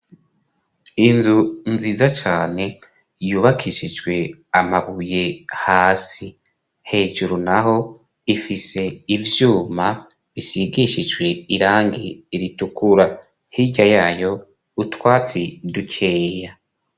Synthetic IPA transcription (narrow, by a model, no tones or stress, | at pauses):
inzunziːzat͡ʃaːne̞ | juːβakʰiʃid͡ʒɡwe̞amaβuje̞haːsi | he̞ːʒuɾunaɦo̞ | ifise̞ivjuːma | βisiɡiʃid͡ʒwe̞iɾaːŋɡiːɾitukuɾa | hiɟajaːjo̞ | utwaːt͡sidukʰe̞ːja